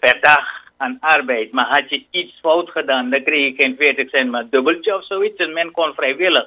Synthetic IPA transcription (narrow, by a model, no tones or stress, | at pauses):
pɛrdax | anarbɛjtmaɦatjəitsfɔwtxədaːndakrixjəkenfeːtəksɛntmadøbəlt͡ʃəɔfsoːitsəmɛnkonfrɛjʋɪləx